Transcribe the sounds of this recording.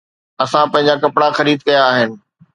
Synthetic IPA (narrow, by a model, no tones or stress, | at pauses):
ɐsãpɐ̃ɦɪ̃ɲ̆d͡ʑakɐpɽaxɐɾiːd̪̚kɐjaːɦɪnɪ̆